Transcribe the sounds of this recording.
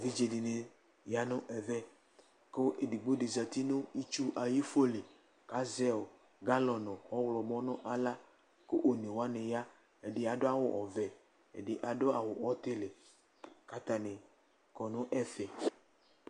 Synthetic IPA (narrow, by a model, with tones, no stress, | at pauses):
vi˦d͡ʒe˨dɪ˨ne˨ | ja˦nʊ̃˦ʔɛ˨vɛ˦ | ko˦ʔe˨di˨ɡ͡bo˦de˨za˨t̪i˦nʊ̃˦i˦t͡ʃu˦ʔa˨ji˦fo˦le˨ | ka˦zɛ˦o˨ | ɡa˦lɔ˨nɔ̃˨ɔ˦wlɔ˨mɔ̃˦nʊ̃˦ʔa˨la˦ | ko˦ʔo˨nẽ˨wo˨˦a˦nẽ˨ja˦ | e˨ɖɪ˦a˨dʊ˦a˦wʊ˦ʔɔ˨vɛ˨ | ḛ˨dɪ˨ʔa˨ɖʊ˦a˨wʊ˨ɔ˦t̪e˦le˨ | ka˦t̪a˨ne˨ | kɔ˨nʊ̃˦ʔɛ˦fɛ˨